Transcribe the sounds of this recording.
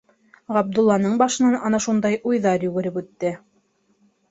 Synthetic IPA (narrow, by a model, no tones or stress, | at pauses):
ʁɑb̚d̪ulˠːɑnɤɴbɑʃɤ̆nɑnɑnɑʃund̪ɑjʔujðɑɾjʉɡɘ̆ɾɘpʉt̪ːɘ